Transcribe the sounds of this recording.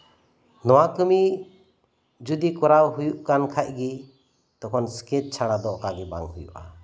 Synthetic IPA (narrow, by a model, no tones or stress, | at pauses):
nɔwakɯmi | d͡ʒud̪ikɔɾawɦujuʔkankʰac̚ɡi | t̪ɔkʰɔnskɛt̚t͡ʃʰaɽad̪ɔʔkaɡɛba̰ŋɦujṵʔa̰